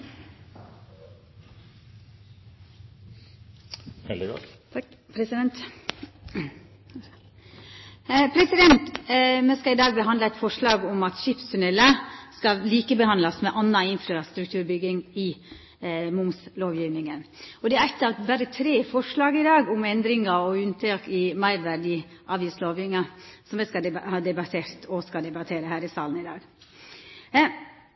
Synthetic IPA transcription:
ɛd̪ɪɡɔ̰ | pʰɾɛsd̪ɛnt̪ | pʰɾɛsɪd̪ɛnt̪mɛskɑɪd̪ɑːɡ̚bəɦɑnd̪ləæɪt̪fɔʂɭɑːɡɔmɑt̪ʃɪpst̪ʰʉnɛlːəskɑlliːkəbəhɑnlɑsmɛʔɑnːɑɪnfɾɑst̪ɾʉk̚t̪ʰʉːɾbʏɡɪŋɪ | mʊmsloːʋjiːʋnɪŋənɔd̪ɛæɾɛt̪ːəɑʋbæɾət̪ʰɾeːfɔʂɭɑːɡɪd̪ɑːɡʊmɛnd̪ɾɪŋɑɔʉnt̪ʰɑːkɪmæɪɾʋæɾɖɪʔɑːʋjiːsloːʋjʏŋɑsɔmɛskɑhɑːd̪ɛbɑt̪ʰeːɾt̪ʰɔskɑd̪ɛbɑt̪ʰeːɾəhæːɾɪsɑːln̩ɪd̪ɑːɡ

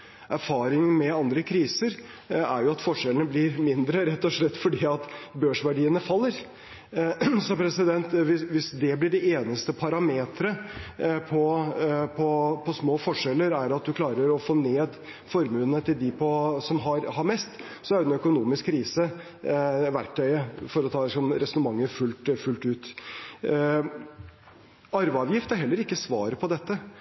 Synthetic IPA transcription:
ʔæɾfɑːɾɪŋmɛɑnd̪ɾəkʰɾiːsəɾ | æɾjʊɑt̪fɔʂɛlənəblɪɾmɪnd̪ɾəɾɛt̪ːɔʂlɛt̪ːfɔɖiːɑt̪bøːʂʋæɖiːənəfɑlːəɾ | sɔpʰɾɛsɪd̪ɛnt̪ʋɪʋɪsd̪ɛblɪɖɛeːnəst̪əpʰɑɾɑmeːt̪ɾəpʰɔpʰɔpʰɔsmoːfɔʂɛlːəɾæɾɑt̪̚d̪ʉkʰlɑːɾəɾɔfoːneːd̪ | fɔɾmʉːnət̪ʰɪld̪ɪpʰɔsɔmɦɑɾhɑɾmɛst̪ | sɔæɾd̪ɛnœkʊnuːmɪskkʰːɾiːsə | ʋæɾk̚ʈ̪ʰœʏəfɔɾɔt̪ʰɑːd̪ɛsɔnɾɛsɔnəmɑŋːəɾfʉlt̪fʉlt̪ʉːt̪ | ɑɾʋəɑːʋjɪft̪æɾɦɛlːəɾɪkːəsʋɑ̰ːɾəpʰɔd̪ɛt̪ːə

